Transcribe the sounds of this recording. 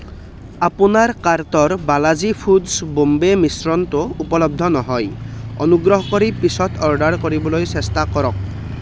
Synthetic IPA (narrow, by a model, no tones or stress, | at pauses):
apunaɹkaɹt̪ɔɹbalazipʰudsbombemisɹɔnt̪ʊupɔlɔb̚d̪ʱɔnɔɦɔjɔ̰nuɡɹɔɦɔkɔɹipisɔtʰɔɹɖaɹkoɹibɔlojsestakɔɾɔk̚